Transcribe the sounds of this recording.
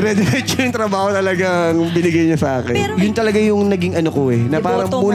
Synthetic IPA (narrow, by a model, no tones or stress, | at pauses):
ɾɛd̪ɛɾɛt͡ʃɐjʊŋt̪ɾɐbaːhot̪ɐlɐɡaɐŋbɪnɪɡɐjɲosɐʔaːkɛnjʊnt̪ɐlɐɡajʊŋnɐɡɪŋɐnokoɛnɐpaːɾɐŋmuː